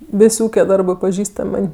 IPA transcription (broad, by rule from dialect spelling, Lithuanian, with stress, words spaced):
ˈʋʲɪsʲ ˈuːkʲɛ ˈdɐrbɜ pɐˈʒʲiːstɐmʲ ˈmɐnʲ